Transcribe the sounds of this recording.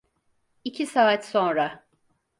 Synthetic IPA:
icʰisaːat̪so̞nɾa

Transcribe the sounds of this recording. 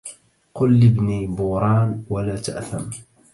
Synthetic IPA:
qʊlːɪbniːbuːɾˤɑːnwalaːt̪aʔθam

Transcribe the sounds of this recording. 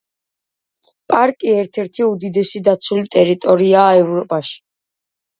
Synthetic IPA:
pʼaɾkʼiɛɾt̪ʰɛɾt̪ʰiud̪id̪ɛsid̪at̪sʰulit̪ʼɛɾit̪ʼɔɾiaːɛvɾɔpʼaʃi̥

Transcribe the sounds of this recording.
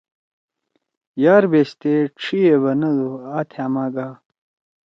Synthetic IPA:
jaːɾbeɕt̪eʈ͡ʂʰieβɐnɐd̪uaːt̪ʰaːmaːɡaː

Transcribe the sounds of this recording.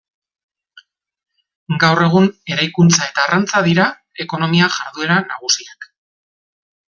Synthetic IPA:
ɡawre̞ɣ̞une̞ɾajkunt͡sae̞t̪aːrant͡saðiɾa | e̞ko̞no̞miaʝaɾðue̞ɾanaɣ̞usiak

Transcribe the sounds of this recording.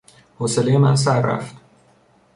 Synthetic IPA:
hoːselejemæns̬æɾːæ̰ft̪

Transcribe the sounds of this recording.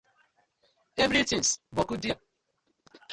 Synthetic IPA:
evɾitĩŋsbɔkudia

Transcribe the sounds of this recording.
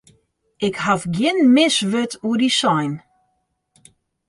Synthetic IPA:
ɪkhafɡjɪnmɪsʋøtuədisɔjn

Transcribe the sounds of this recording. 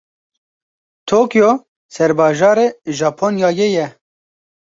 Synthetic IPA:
t̪ʰoːkjoː | sɛɾbɑːʒɑːɾeːʒɑːpʰoːnjɑːjejɛ

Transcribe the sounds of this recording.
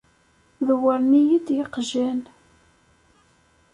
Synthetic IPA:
ðwəɾnijid̪jəqʒæn

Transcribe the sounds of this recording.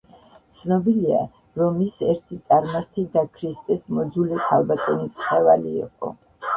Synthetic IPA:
t̪sʰnɔbilia̰ | ɾɔmisɛɾt̪ʰit̪sʼaɾmaɾt̪ʰid̪akʰɾist̪ʼɛsmɔd̪zulikʰalˠbat̪ʼɔnisχɛvalḭːqʼɔ̰

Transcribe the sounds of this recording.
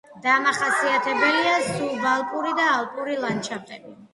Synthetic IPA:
d̪amaχasiat̪ʰɛbɛliasulˠbalˠkʼuɾid̪aːlˠpʼuɾilˠant͡ʃʰat̪ʼɛbi

